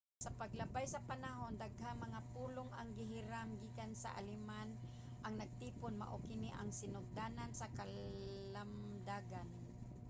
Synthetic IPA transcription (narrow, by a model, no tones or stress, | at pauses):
sɐpaɡlɐbajsɐpanaɦond̪aɡhamɐŋapuːloŋaŋɡɪɦɪɾamɡiːkansa̰ʔa̰lɪman | ʔɐŋnɐɡ̚t̪iːponma̰ʔokɪniʔaŋsɪnʊɡ̚d̪anansɐkalam | d̪aːɡan